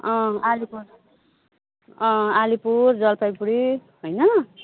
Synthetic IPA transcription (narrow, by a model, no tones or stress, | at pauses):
ʌ̃alipuɾ | ʌ̃alipuɾd͡zʌlpʰajpuɽi | ɦojnʌ